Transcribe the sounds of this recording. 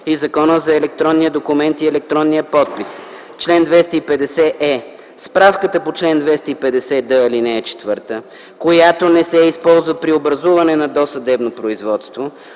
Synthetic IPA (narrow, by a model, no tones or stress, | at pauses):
izɐkɔnəzɐɛlɛk̚t̪ɾɔnːijəd̪okumɛnt̪iɛlɛk̚t̪ɾɔnːijəpɔt̪̚pis | t͡ʃlɛnd̪vɛst̪əipɛd̪ɛsɛʔɛ | spɾafkət̪əpot͡ʃlɛnd̪vɛst̪əipɛd̪ɛsɛd̪əilinɛɛt͡ʃɛ̥t̪vɤɾt̪ə | kojat̪onɛsɛispɔlˠzvəpɾiobɾɐzuvɐnɛnɐd̪ɔsɐd̪ɛbnopɾoizvɔt̪st̪vo